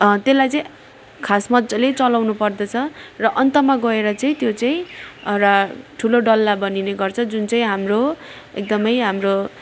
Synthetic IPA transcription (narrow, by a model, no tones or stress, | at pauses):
t̪elajt͡sʌĩ | kʰasmʌd̪d͡zʌlet͡sʌlawnupʌrd̪ʌt͡sʰʌrʌʔʌnt̪ʌmaɡʌeɾʌt͡saĩt̪jot͡saĩʌɾaʈʰuloɖʌlːabʌnineɡʌrt͡sʰʌd͡zunt͡saĩɦamro | ek̚d̪ʌmʌjɦamro